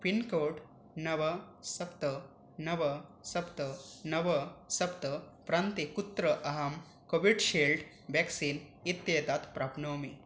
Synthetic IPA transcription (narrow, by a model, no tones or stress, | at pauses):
pinkoːɖ | nɐʋɐsɐpt̪ɐ | nɐʋɐsɐpt̪ɐnɐʋɐsɐpt̪ɐpɾant̪ekut̪ɾɐʔɐɦɐm | koʋiɖʃeːlɖ | ʋeksiːnit̪jeːt̪aːt̪pɾaːpnoːmi